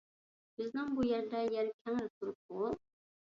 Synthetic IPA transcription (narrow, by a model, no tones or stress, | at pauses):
b̥ɪznɪŋbujɛɾd̪ɛjɛɾkʲʰɛŋɾɪt̪ʰuɾup̚ːu